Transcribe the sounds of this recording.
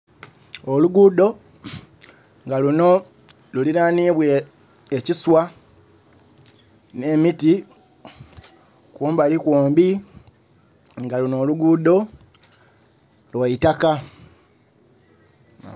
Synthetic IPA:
oluɡudo̞ | ŋɡaluno̞ | luliɾaːniβwe | eciswa | ne̞miti | kuːmbalikwoːmbi | ŋɡaluno̞ːluɡudo̞ | lwaitaka

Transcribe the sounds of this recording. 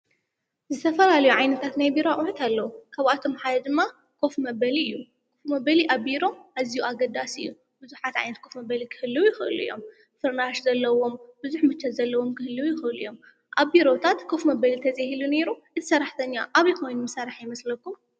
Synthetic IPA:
zɨt̪ʰɐfɐlalɐjuʕajnɐt̪ʰat̪najbiɾoaʔʼuħut̪ʰalːɐwukʰaβat̪ʰo̞mħad̪ɐd̪ɨmːa | kʰo̞fmɐbɐliɨjːu | kʰo̞fmɐbɐliʔaβːiɾo̞ʔazijuaɡɐd̪asɨ̰jːu | b̥ɨzuħat̪ʕa̰jnɐt̪̚kʰo̞fmɐbɐlikʰɨ̥hɨlːɨwjɪxɨʔɨ̰lṵḭjo̞̰m | fɨɾnaʃzɐlːɐwo̞mbɨzuħmɨt͡ʃːɐt̪zɐlːɐwo̞mkɨhɨlːɨwjɪxɨɨlujo̞m | ʔaβbiɾo̞t̪ʰat̪kʰo̞fmɐbɐlit̪ʰɐzʼahilune̞ɾuʔɨt̪ʰɨ̥sɐɾaħt̪ʰɐɲːaʔaβikʰo̞jnumɨsɐɾaħjɪmɐslɐkːum

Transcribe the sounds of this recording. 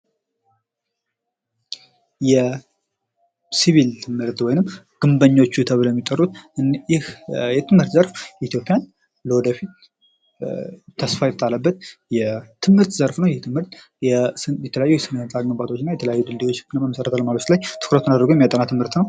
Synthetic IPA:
jɛ | siβilt̪ʰɨmhɨɾt̪wɔjnɨmː | ɡ̥ɨmbəɲːo̞t͡ʃːut̪ʰəβɨljɛmːit̪ʼːərːut̪ɨnjɪhjɛt̪ʰɨmhɨɾt̪zəɾfjɛit̪jo̞pʼijan | ləwɔd̪əfit̪ | t̪ʰəsfajt̪ət̪ʰʼalːəbːət̪̚jɛt̪ʰɨmhɨɾt̪zəɾfnəwjɛt̪ʰɨmhɨɾt̪ | jɛjɛt̪ʰələjajːujɛsɨnənsʼalməmbat̪ʰo̞t͡ʃːɪnːajɛt̪ʰələjajːud̪ɨld̪ewo̞t͡ʃːnːəməmːəsəɾət̪aləmalət̪lajt̪ʰɨ̥kɾət̪unad̪əɾɡoɛmjat̪ʼənat̪ʰɨmhɨɾt̪nəw

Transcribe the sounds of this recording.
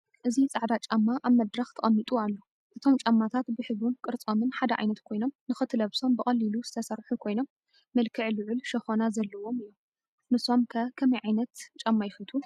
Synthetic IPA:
ʔɨzit͡sʼaʕd̪at͡ʃʼamːaʔaβmɐd̪ɾɐxt̪ʰɐχʼɐmːit̪ʼualːo | ʔɨt̪ʰo̞mt͡ʃʼamːat̪ʰat̪bɨħɨunkʼɨɾt͡sʼomɨnħad̪ɐʕa̰jnɐt̪kʰo̞jno̞mnɨxɨt̪ʰɨlɐβso̞mbɨkʼɐlːiluzɨt̪ʰɐsɐɾħukʰo̞jno̞mː | ɐlkʰɨʕlɨʕʊlʃɐxonazɐlːɐwo̞mɨjːo̞m | nɨso̞mkʰɐkʰɐmɐjʕajnɐt̪t͡ʃʼamːajɪxɨlt̪ʰu

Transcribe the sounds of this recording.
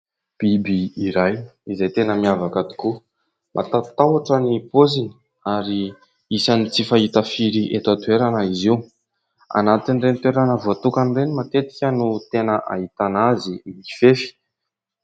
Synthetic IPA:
b̥ibiːɾajizejt̪enəmiavakat̪i̥ku | mʔa̰t̪at̪awaʈ͡ʂənipozini̥ | aɾi | isanit͡sifaɦit̪afiɾiʔet̪at̪weɾanəiziw | a̰nat̪inrent̪weɾanəvoat̪ukanirenimat̪et̪i̥kʲənut̪enəʔa̰ɦit̪anazimifefi̥

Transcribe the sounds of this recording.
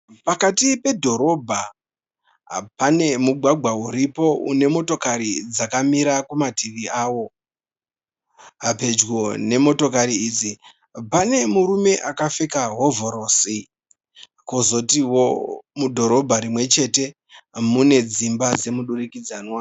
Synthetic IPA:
pakatipe̞dʱo̞ɾo̞bʱa | pane̞muɡʱwaɡʱwauɾipo̞ṵne̞mo̞to̞kaɾid͡zakamiɾakumatʰiʋiaːwo̞ | ɦape̞d͡ʒɡone̞mo̞to̞kaɾiiːd͡zi | pane̞muɾume̞ʔakafe̞kaɦo̞voɾosi | kozo̞tiwomudʱo̞ɾo̞bʱaɾimwe̞t͡ʃe̞te̞ | mune̞d͡zimbad͡ze̞muɗurikid͡zaːnwa

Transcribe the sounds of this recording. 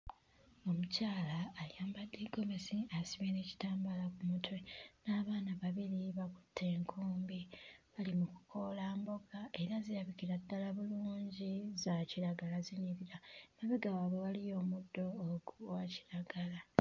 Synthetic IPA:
o̞mucaːlaːjaːmbadːiɡo̞mesiasiβeneci̥taːmbalakumutwe̞naːβaːnaβaβiɾiβaku̥tʰːe̞ːŋkʰuːmbiβalimuku̥kʰo̞laːmbo̞ɡae̞ɾaziɾaβikiɾadːalaβuluːɲɟizaciɾaɡalaziɲiɾiɾamaβeɡawaːβwe̞walijo̞ːmudːo̞ːɡuwaci̥ɾaɡala

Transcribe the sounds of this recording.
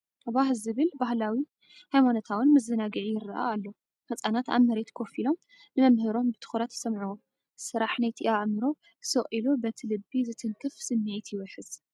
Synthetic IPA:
βaɦlzɨβɨlbahlawi | hajmanot̪ʰawɨnmɨzɨnaɡɨʕijɪɾɨʔa̰alːo | fɐt͡sʼanat̪a̰βmɐɾet̪kʰo̞filo̞m | nɨmɐmhɨɾo̞mbɨt̪ʰɨ̥xuɾat̪sɐmʕuom | sɨɾaħnajt̪ʰiʔaʕmɨɾo̞ | sɨχʼilobɐt̪ʰilɨbːizɨt̪ʰɨŋkʰɨfsɨmːʕit̪jɪwɐħɨz̥

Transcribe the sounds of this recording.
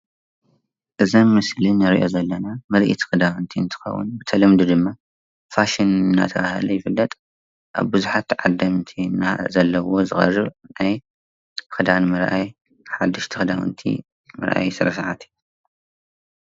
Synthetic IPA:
ʔɨzɐnmɨslinɨɾʔo̞̰zɐlːɐnamɐlʔḭt̪ʰi̥xɨd̪awɨnt̪ʰiɨnt̪ʰɨ̥xɐ̰wːʊ̰nbɨt̪ʰɐlɨmd̪ud̪ɨmːa | faʃinɨnːa̰t̪ʰɐβaha̰lujɪfɨlːɐt̪ʼ | ʔa̰βbɨzuħat̪ʕad̪ɐmt̪ʰinːazɐlːɐwo̞zɨxɐ̰rːɨβnaj | xɨd̪anmɨɾʔa̰j | ħad̪ːɨʃt̪ʰixɨd̪awɨ̰nt̪ʰḭ | mɨ̰ɾʔa̰jsɨɾɐsaʕat̪ʰi̥

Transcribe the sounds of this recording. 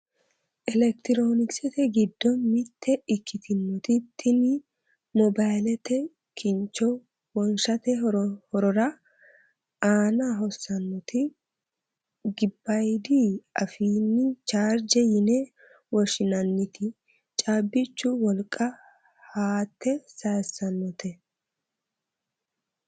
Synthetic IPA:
ʔɛlɛkt̪ɪɾoːnɪksɛt̪ɛɡɪd̪ːɔmɪt̪ʰːɛɪkːɪt̪ʰɪnːɔt̪ɪt̪ʰːɪnɪ | mɔbajlɛt̪ɛ | kʰɪnt͡ʃːɔ | wɔnʃɐt̪ɛhɔɾɔɾɐ | aːnaɦɔsːɐnːɔt̪ɪ | ɡɪbːɐjd̪iɐ̰fiːnːɪt͡ʃaːɾd͡ʒɛjɪnɛ | wɔʃɪnɐnːɪt̪ɪ | t͡ʃʼaːbːɪt͡ʃːʊwɔlkʼːɐ | haːt̪ːɛsɐjsːɐnːɔt̪ʰɛ

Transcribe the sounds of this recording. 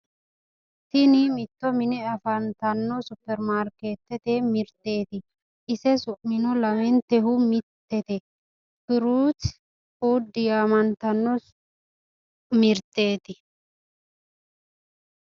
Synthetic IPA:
t̪ɪnɪmɪt̪ːɔmɪnɛɐfɐnt̪ɐnːɔsʊpːɛɾmaːɾkeːt̪ːɛt̪emɪɾt̪ːeːt̪ɪ | ʔɪsɛsʊʔmɪnɔlɐmɛnt̪ɛɦʊmɪt̪ːɛt̪ɛ | kɪɾuːt͡ʃ | uːd̪ːɪjamɐnt̪ɐnːɔ | mɪɾt̪e̞ːt̪ɪ

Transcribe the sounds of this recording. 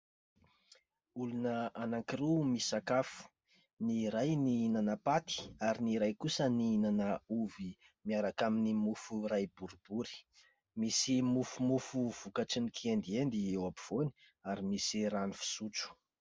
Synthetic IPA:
ulunəanaŋkirumisakafu̥ | niɾajniinanəpat̪i̥aɾiniɾajkusəniinanəuvi | miaɾakaminimufurajbuɾib̥uɾi̥ | misimufumufuv̥ukaʈ͡ʂinikʰiend̪iend̪iewapiv̥oni̥ | aɾimisiranifi̥sut͡su̥

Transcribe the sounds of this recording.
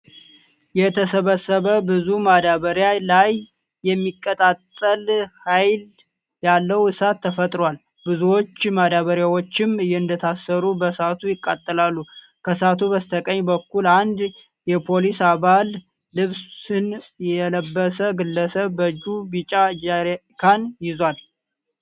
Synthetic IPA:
jɛt̪ʰəsəβəsːəβəbɨzumad̪aβəɾjalajː | ɛmːikʼːət̪ʼat̪ʼːəlhajl | jalːəwɨsat̪ʰːəfət̪ʼɾwal | bɨzuwo̞t͡ʃːmad̪aβəɾjawo̞t͡ʃːɪmɨjːɪɨnd̪ət̪ʰasːəɾubəsat̪ʰujɪkʼːat̪ʼːəlalːu | kʰəsat̪ʰubəst̪ʰəkʼəɲːbəkːuland̪ | jɛpʰo̞lisaβalː | ɨβsɨnjɛləbːəsəɡɨlːəsəβːəd͡ʒubit͡ʃʼad͡ʒaɾkʰanjɪzwal

